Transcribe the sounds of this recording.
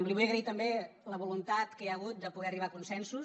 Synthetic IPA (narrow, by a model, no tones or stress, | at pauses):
mliβujəɣɾəit̪əmbeləβulunt̪at̪kəjəɣ̞ut̪̚d̪əpuɣɛəriβ̞akunsɛnsu